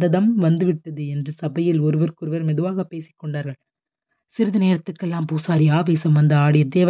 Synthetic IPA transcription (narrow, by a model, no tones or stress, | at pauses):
d̪ɐðɐmʋɐnd̪ɯʋɪʈːɐðɯɛndrɯsɐbɐjɪlɔɾɯʋɐɾkɯɾɯʋɐɾmɛðɯʋaːɣɐpːeːsɪ̥kːɔɳɖaːɾɣɐɭ | sɪɾɯðɐneːɾɐt̪ːɯkːɛlːaːmpuːsaːɾiaːʋeːsɐmʋɐnd̪ɐaːɽɪjɐd̪eːʋ